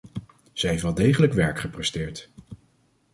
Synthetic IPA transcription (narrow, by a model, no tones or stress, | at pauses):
z̥ɛjɦeftʋɛlˠdejχələkʋɛɹkχəprɛstɪːɹt